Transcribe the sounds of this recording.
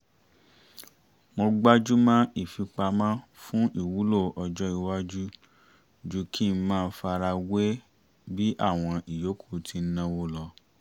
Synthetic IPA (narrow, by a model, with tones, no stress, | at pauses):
mo˧ɡ͡ba˦d͡ʒu˦mã˦ʔi˦˨fi˧k͡pa˧mã˦ | fũ˦ʔi˦˨wu˨˦lo˦˨ʔɔ˧d͡ʒɔ˦i˨˧wa˦d͡ʒu˦ | d͡ʒu˦ki˦˧˦mãː˦˧˦fa˧ɾa˧we˦ | bi˦ʔa˦˨w̃ɔ̃˧i˨jo˨˦kʰu̥˦˨tʰi˧˦nã˧wo˧lɔ˧